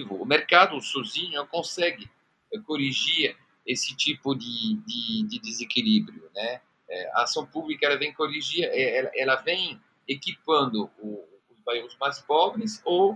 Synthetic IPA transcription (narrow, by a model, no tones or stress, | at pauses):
vʊːmeɾkad̪ʊsoziɲʊkõsɛɡɪ | koɾiʒiɾ | esɪt͡ʃ̪ipʊd̪ɪd̪ɪd̪ɪd̪ezekilibɾjʊnɛ | ɛa̰ːsɐ̃w̃publikaɐɛlɐvẽj̃koɾiʒiɐʔɛɛlaʔɛlɐvẽj̃ | ekipɐ̃nd̪ʊuː | zbaiʁʊzmajspɔbɾɪso